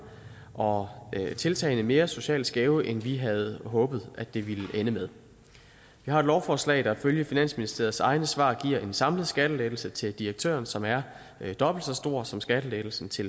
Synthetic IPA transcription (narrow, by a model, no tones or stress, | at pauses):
ʔɒ̽t͡sʰe̝lt͡sʰɛ̰ɪnəme̝ːɐso̝ɕɛ̰ːlsɡ̥ɛːʊəʔenʋiɦæð̞̩ˠɦɔ̽ːb̥ð̩ˠæd̥e̝ʋiləʔenəmeð̞ˠ | ʋihɑ̈ed̥lɒʊfɒːslɛ̰ɪd̥ɑ̈føljəfinæn̰sminisd̥e̝ɐð̩ˠsɑ̈ɪnəsʋɑ̰̈ːɡ̥ḭɐ̰e̝nsɑ̈mləðˠsɡ̥æɾ̥əled̥l̩sət͡sʰe̝ld̥iʁeɡ̥̚t͡sʰø̰ːɐnsɒ̽mæɐ | d̥ɒ̽b̥l̩d̥sɒ̽sd̥o̝ɐ̰sɒ̽msɡ̥æɾ̥əle̥ːl̩sn̩t͡sʰe̝l